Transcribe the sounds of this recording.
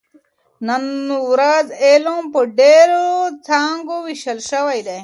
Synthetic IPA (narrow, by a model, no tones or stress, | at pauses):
nɐnuɾɐzeːlõmpəɖeɾot͡sʰaːŋɡowiɕɐlʃɐwɐjd̪e